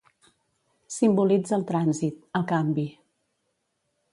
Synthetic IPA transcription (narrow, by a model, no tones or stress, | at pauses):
simbulid͡zəlˠt̪ɾanzit̪əlˠkambi